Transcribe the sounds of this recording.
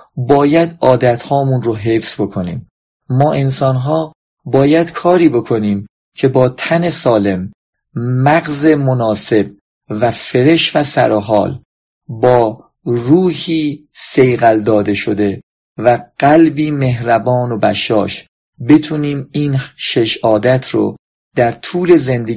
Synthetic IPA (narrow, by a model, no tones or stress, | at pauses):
bɒːjæd̪ɒːd̪æt̪hɒːmunɾoɦe̞fsbo̞kʰo̞nḭːmː | ɒːʔe̞nsɒːnɦɒː | bɒːjæd̪̥kʰɒːɾiːbe̞kʰo̞niːm | cʰe̞bɒːt̪ʰæne̞sɒːle̞mː | æɣze̞monɒːse̞b̚ | væfe̞ɾe̞ʃvæsæ̰ɾoɦɒ̰ːl | bɒː | ɾuːhiː | se̞jɣæld̪ɒːd̪e̞ʃod̪e̞ | væɡ̥ælbiːme̞ɦɾæbɒːno̞bæʃɒ̰ːʃ | be̞t̪ʰuːniːmiːnʃe̞ʃɒːd̪æt̪ʰɾo̰ | d̪̥æɾt̪ʰuːle̞ze̞nd̪e